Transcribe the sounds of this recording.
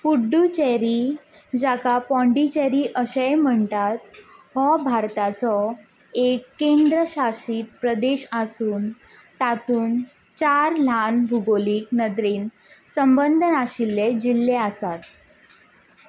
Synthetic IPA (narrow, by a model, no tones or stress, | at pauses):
puɖːut͡ɕɛɾiː | d͡ʑakapɔ̃ɳɖit͡ɕeɾiːʔəɕəjm̤əɳt̪at̪̚hɔbʱaɾt̪at͡sɔ | ekːend̪ɾəɕasiːt̪̚pɾəd̪eɕasuːn | t̪at̪uːn | t͡ɕaɾlanbʱuɡoliːk̚nəd̪ɾiːnsəmbənd̪ʱənaɕilːed͡ʑilːeasat̪